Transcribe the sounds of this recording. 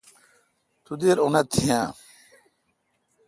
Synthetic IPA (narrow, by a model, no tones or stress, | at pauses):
t̪ud̪eɾonat̪ʰːiã